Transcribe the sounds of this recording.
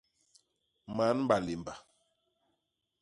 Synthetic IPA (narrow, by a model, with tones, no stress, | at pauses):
ma˨˦nm˦ba˨li˨mba˨